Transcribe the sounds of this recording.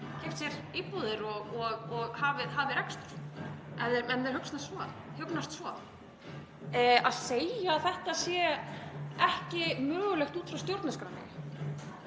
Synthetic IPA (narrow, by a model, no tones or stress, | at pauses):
cɛjft̪sjɛɾiːpuðɪɾɔɣɔɣɔɣhavɪɦavɪɾɛkst̪ʏ̥ɾ̥ɛðɛɾɛnðɛɾhʏkst̪nassvɔhʏknast̪svɔ | aðseːjaːθɛht̪aːsjɛ | ɛhcɪmœːɣʏlɛxt̪uːt̪fɾawst̪jowɾt̪naskɾanːɪ̰